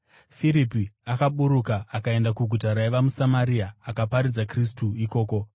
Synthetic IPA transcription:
fiɾipiakaɓuɾukaːkae̞ndakuɡʱutaɾaeʋamusamaɾiaːkapaɾid͡zakris̬tuiko̞ːko̞

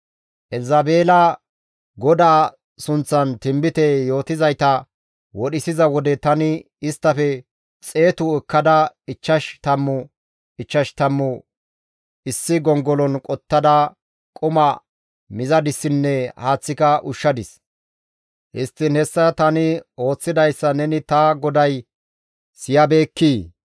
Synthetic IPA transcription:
ʔɛlzɐbeːlɐ | ɡɔd̪aː | sʊnt͡sːɐnt̪ɪmbɪt̪ɛjo̞ːt̪ɪzɐjt̪ɐ | wɔɗɪsɪzɐwɔd̪ɛt̪ɐnɪ | ɪst̪ːɐfɛ | t͡sʼe̞ːt̪ʊɛkːɐd̪ɐɪt͡ʃːɐʃt̪ɐmːʊ | ɪt͡ʃːɐʃt̪ɐmːʊ | ɪsːɪɡɔŋɡɔlɔnkʼɔt̪ːɐd̪ɐ | kʼʊmɐ | mɪzɐd̪ɪsːɪnːɛhaːt͡sːɪkɐʔʊʃːɐd̪ɪs | hɪ̰st̪ːɪnhɛsːɐt̪ɐnɪo̞ːt͡sːɪd̪ɐjsːɐnɛnɪt̪ɐɡɔd̪ɐj | sɪjɐbeːkːiː

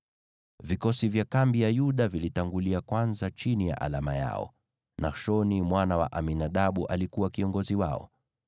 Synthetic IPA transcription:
vikɔsivjakambijajuɗavilitaŋɡuliakwanzat͡ʃinija̰ʔa̰lamaja̰ɔ̰ | naʃɔnimwanawa̰ʔaminaɗaɓuʔalikuwakiɔŋɡɔziwa̰ɔ̰

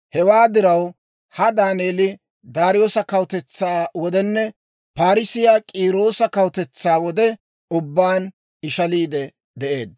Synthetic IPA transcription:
hɛwaːd̪ɪɾɐw | hɐd̪aːne̞ːlɪ | d̪aːɾɪjo̞ːsɐkɐwt̪ɛt͡sːaːwɔd̪ɛnːɛ | paːɾɪsɪjaːkʼiːɾo̞ːsɐkɐwt̪ɛt͡sːaːwɔd̪ɛ | ʊbːaːn | ɪʃɐliːd̪ɛ | d̪ɛʔeːd̪̚

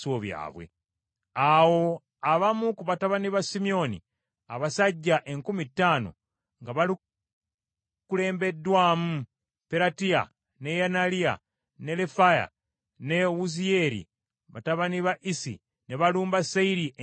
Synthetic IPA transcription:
soβja̰ːβwḛ | awo̞ | aβamukuβataβaniβasimio̞nḭ | a̰βasaɟːaʔe̞ŋkumitːaːno̞̰ | ŋɡaβali | kule̞ːmbe̞dːwaːmu | peɾatia̰ | ne̞janalia̰ | ne̞lefaja̰ | ne̞uzie̞ɾḭ | βa̰taβaniβaʔisḭ | neβaluːmbasaiɾiʔ

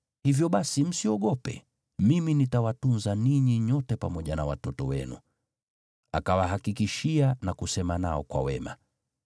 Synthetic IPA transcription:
hivjɔɓasim̩siɔɠɔpɛ̰ | miminitawatunzaniɲiɲɔtɛpamɔʄanawatɔtɔwɛ̰nṵ | akawaɦakikiʃianakusɛmanaɔkwa̰wɛma̰

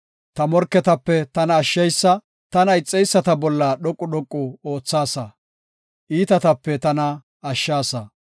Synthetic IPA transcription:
t̪ɐmɔɾkːɛt̪ɐpːɛt̪ɐnɐːʃːɐjsːɐ | t̪ɐnɐɪt͡sʼːɛjsːɐt̪ɐbɔlːɐɗɔkʼːʊɗɔkʼːʊo̞ːt͡sːaːsɐ | ʔiːt̪ɐt̪ɐpːɛt̪ɐnɐ | ɐʃːaːsɐ

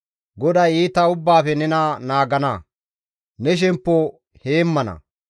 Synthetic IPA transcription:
ɡɔd̪ɐjiːt̪ːɐʊbːaːfɛnɛnɐnaːɡɐnɐ | nɛʃ̬ɛmpːo | heːmːɐnɐ̰

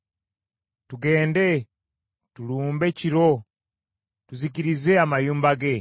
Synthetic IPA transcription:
tuɡe̞ːnde̞ | tuluːmbe̞ciɾo | tuzikiɾizeamajuːmbaɡe

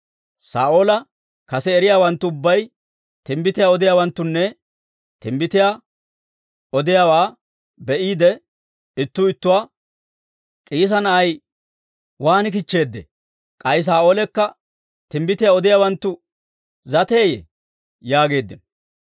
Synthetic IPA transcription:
sa̰ːʔoːlɐ | kɐsɛːɾɪjaːwɐnt̪ːʊʊbːɐj | t̪ɪmbɪt̪ɪjaɔd̪ɪjaːwɐnt̪ːʊnːɛ | t̪ɪmbɪt̪ɪja | ɔd̪ɪjaːwaː | bɛʔiːd̪ɛ | ɪt̪ːʊɪt̪ːʊwaː | kʼiːs̬ɐnɐʔɐj | waːnɪk̬ɪt͡ʃːe̞ːd̪ːḛ | kʼɐjs̬aːoːlɛkːɐ | t̪ɪmbɪt̪ɪjaɔd̪ɪjaːwɐnt̪ːʊ | zɐt̪eːjḛ | jaːɡe̞ːd̪ːɪn

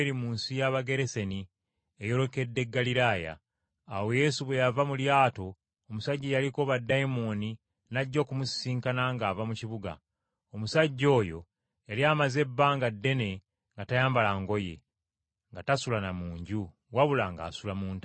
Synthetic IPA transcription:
eɾimuːnsijaβaɡe̞ɾese̞ni | ejo̞ɾo̞ke̞dːe̞ɡːaliɾaːja̰ː | we̞je̞ːsuβwe̞javamuljaːto̞ː | musaɟːijalikoβadːaimoni | naɟːo̞ːkumussiːŋkanaŋɡaːvamuciβuɡa̰ | omusaɟːo̞ːjo̞̰ | elijamaze̞bːaːŋɡadːe̞ne̞ | ŋɡatajaːmbalaŋɡo̞je̞̰ | ŋɡatasulanamuːɲɟu | waβulaŋɡa̰ːsulamuːnta

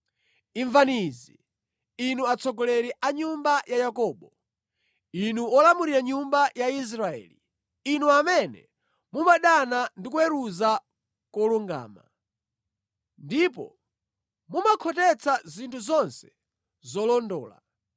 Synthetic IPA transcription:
iɱvaniziː | nuat͡sʰɔɡɔlɛɾɛʔaɲumbajajakɔːɓɔ | inuɔlamuɾiɾaɲumbajais̬ɾaɛ̰ːliː | nuamɛnɛ̰ | mumaɗanandikuɛɾuza | kɔluŋɡa̰ːma̰ | ndipɔ̰ | mumakʰɔtɛt͡sʰazintʰuzɔnsɛ̥ | zɔlɔndɔːla̰

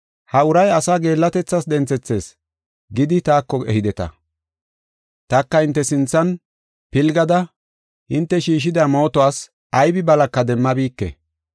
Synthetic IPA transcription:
hɐʊɾɐjɐsaːɡe̞ːlːɐt̪ɛt͡sːɐsd̪ɛnt͡sɛt͡sːe̞ːs | ɡɪd̪ɪt̪aːkːɔɛ̰hɪd̪ɛt̪ɐ̰ | t̪ɐkːɐhɪnt̪ːɛsɪnt͡sːɐn | pɪlɡɐd̪ɐ | hɪnt̪ːɛʃiːʃ̬ɪd̪aːmo̞ːt̪ɔwaːs | ɐjbɪbɐlɐkːɐd̪ɛmːɐbiːkːɛ̰

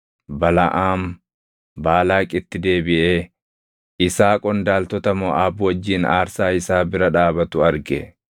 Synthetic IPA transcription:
bɐlɐ̰ʔaːm | baːlaːkʼɪt̪ːɪd̪e̞ːbɪʔeː | ɪsaːkʼɔnd̪aːlt̪ɔt̪ɐmɔːʔaːbʊwɐd͡ʒːiːnaːɾsaːɪsaːbɪɾɐᶑaːbɐt̪ʊɐɾɡɛ

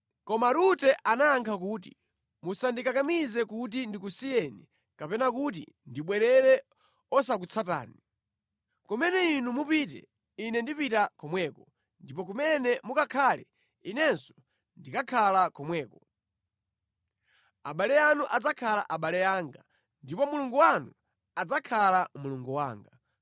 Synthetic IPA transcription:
kɔmaɾutɛʔanaːŋkʰak̬uːt̬i | musandikakamizɛkut̬indikusijɛni | kapɛnak̬ut̬ḭ | ndiɓwɛɾɛɾɛ | ɔs̬ak̬ut͡sʰata̰ːni | kɔmɛnɛinumupit̬ɛ̰ | inɛndipitakʰɔmwɛːkɔ | ndipɔk̬umɛnɛmukakʰalɛ̰ | inɛnsɔ̥ | ndikakʰalakɔmwɛːkɔ | aɓalɛjanuʔad͡zakʰala̰ʔaɓalɛaŋɡa | ndipɔmuluŋɡuwanu | ad͡zakʰalamuluŋɡuwa̰ːŋɡa

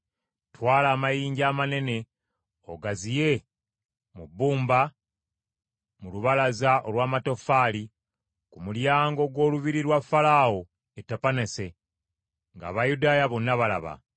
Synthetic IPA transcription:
twaːlaːmajiːɲɟaːmane̞ne̞ | o̰ɡazije̞ | mubːuːmba | muluβalazao̞lwaːmato̞faːli | kumuljaːŋɡo̞ɡwo̞ːluβiɾiɾwafalaːwo | etapanese̞ | ŋɡa̰ːβajudaːjaβonːaβala̰βa̰

